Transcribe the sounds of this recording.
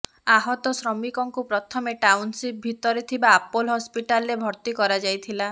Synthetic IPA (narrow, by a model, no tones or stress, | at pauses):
aɦɔt̪ɔsɾɔmikɔŋkupɾɔt̪ʰɔmeʈawnsip̚bʱit̪ɔɾet̪ʰibaːpolɦɔspiʈalɾebʱɔɾt̪ikɔɾad͡ʒajt̪ʰila